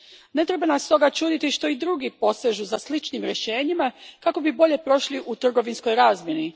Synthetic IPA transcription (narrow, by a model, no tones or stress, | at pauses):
ne̞t̪ɾe̞banast̪o̞ɡat͡ʃuːd̪it̪iʃt̪o̞id̪ɾuɡipo̞seʒuzaslit͡ʃnimɾje̞ʃe̞ːɲimakako̞bibo̞ʎe̞pɾo̞ʃliʔut̪r̩ɡo̞ʋinsko̞jɾaːzmʲje̞ni